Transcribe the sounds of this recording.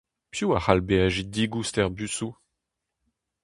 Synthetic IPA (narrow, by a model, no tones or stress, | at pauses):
pjuaχalbeaʒid̪iɡust̪ɛʁbysu